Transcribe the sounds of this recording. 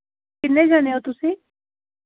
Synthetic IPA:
kɪt̪ned͡ʒaːneot̪ʊsẽ

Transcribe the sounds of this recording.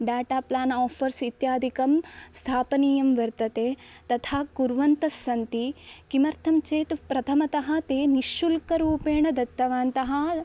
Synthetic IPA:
ɖaːʈaːplaːnɔːfʰɐɾsit̪jaːd̪ʱikɐmst̪ʰaːpɐniːjɐmʋɐɾt̪ɐt̪eːt̪ɐt̪ʰaːkuɾʋɐnt̪ɐsːɐnt̪ikimɐɾt̪ʰɐmt͡ʃeːt̪pɾɐt̪ʰɐmɐt̪ɐɦɐt̪eːniʃːulkɐɾuːpeːɳɐd̪ɐt̪ːɐʋaːnt̪ɐɦɐ

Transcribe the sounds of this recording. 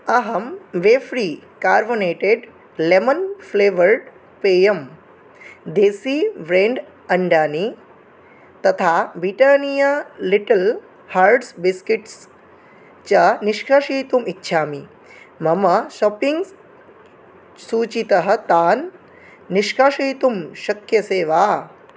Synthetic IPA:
ɐɦɐmʋeːfɾiːkaːɾboneːʈeɖ | lemənfleːʋəɾɖ | peːjəm | d̪eːsiʋɾẽːɳɖ | ɐɳɖaːni | t̪ɐt̪ʰabiʈanijaliʈəl | haːɾɖsbiskiʈs | t͡ɕaniʃkaʂiːt̪umitːɕʰaːmi | mɐmɐʃɔːpiŋɡs | suːt͡ɕit̪ɐɦɐ̆t̪aːnː | iʃkaʂiːt̪umʃɐkjɐseːʋaː

